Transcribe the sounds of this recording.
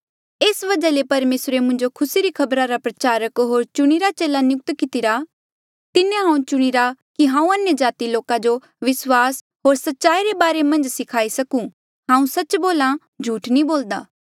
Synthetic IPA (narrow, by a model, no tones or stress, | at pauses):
eːsʋɐd͡ʒalepɐɾmeːsɾemʊ̃nd͡ʒokʰʊsiɾikʰɐbɾaɾapɾɐt͡ʃaːɾəkɦoːɾt͡ʃʊɽ̃iɾat͡ʃeːlanjʊk̚t̪kɪt̪ɪɾa | t̪ɪnẽɦãːũt͡ʃʊɽ̃iɾakiɦãːũɐnjəd͡ʒaːt̪iloːkad͡ʒo | ʋɪswaːs | ɦoːɾsɐtːʃaːiɾebaːɾemɐ̃nd͡ʒsɪkʰaːisɐkũ | ɦãːũsɐːt͡ʃboːla | d͡ʒʱuːʈnĩboːld̪aː